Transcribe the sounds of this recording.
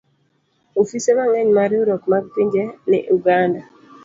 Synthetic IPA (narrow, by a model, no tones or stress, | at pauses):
ofisemaŋɛɲmaɾjuɾɔkmaɡ̚piɲd͡ʒenɪ̰ʔuɡanda